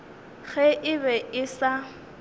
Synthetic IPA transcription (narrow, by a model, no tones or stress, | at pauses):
ɣɛʔɪβɛʔɪsa